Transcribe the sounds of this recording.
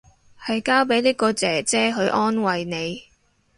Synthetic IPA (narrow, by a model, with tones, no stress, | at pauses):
hɐ˨jkaː˥wpe˨˥jliː˥kɔː˧t͡sɛː˨˩t͡sɛː˥ɦɵ˨˧ɥʔɔː˥nwɐ˨jne˨˧j